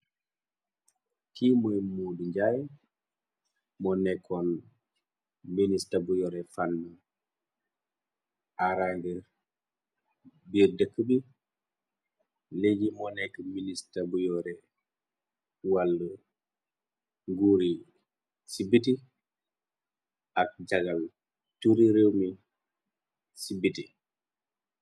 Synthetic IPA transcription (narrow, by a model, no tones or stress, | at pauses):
kimojmuduɲɟaj | mɔnɛkʰːɔn | ministabujɔɾefanːə | aɾaŋɡəɾ | biɾdəkːəbi | leɟimɔnɛkːəministabujɔɾɛ | walːə | ŋɡuɾi | sibit̬i | ak̚ɟaɡal | tuɾiɾewmi | sibiti